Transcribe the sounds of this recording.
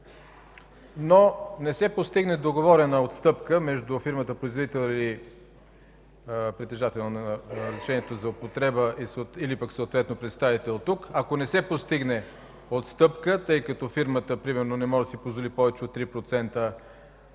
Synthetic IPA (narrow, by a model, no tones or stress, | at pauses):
nonɛsɛpost̪iɡnɛd̪oɡovɔɾɛnəot̪st̪ɤpkəmɛʒd̪ʊfiɾmət̪əpɾoizvod̪it̪ɛlˠili | pɾit̪ɛʒat̪ɛlˠnonəɾəzɾiʃɛniɛt̪ozɐopot̪ɾɛbəʔisoilipəksoːt̪vɛt̪nopɾɛt̪st̪avit̪ɛlˠt̪ukɐkonɛsɛpost̪iɡnɛ | ot̪st̪ɤpkət̪ɤjkɐt̪ɔfiɾmət̪əpɾimɛɾnonɛmɔʒd̪əsipozvolipɔvɛt͡ʃɛot̪ːɾipɾot̪sɛnt̪ə